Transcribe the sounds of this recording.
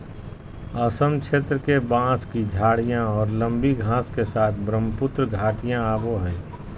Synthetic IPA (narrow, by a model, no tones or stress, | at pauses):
əsəmkt͡ʃʰeːt̪ɾəkebãːskid͡ʒʱaːɽijãɔːɾlə̃mbiɡʱãːskesaːt̪ʰbɾəmpʊt̪ɾəɡʱaːʈijãaːboɦɛ̃ː